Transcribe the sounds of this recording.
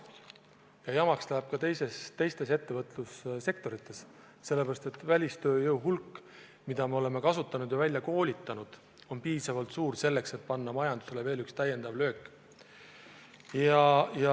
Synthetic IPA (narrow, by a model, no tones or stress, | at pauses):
jɑjɑmɑkslæːb̥̚kɑt̪e̞jsest̪e̞jst̪e̞se̞t̪ːe̞vɤt̪ˑlusse̞k̚t̪o̞ɾit̪ːˑe̞s | se̞lːepeɾɑst̪e̞t̪ːvælʲist̪ø̞ːjɤwɦulkːˑ | mid̪̥ɑme̞o̞le̞me̞kɑsut̪ːˑɑnud̪̥jɑvælʲjɑko̞ːlʲit̪ːˑɑnud̪̥ | o̞npiːsɑvɑlt̪suːrse̞lːe̞kse̞t̪̚pɑnːɑmɑjɑnd̪̥use̞leve̞ːlykst̪æje̞nd̪̥ɑvlø̞ːkːˑ | jɑjɑ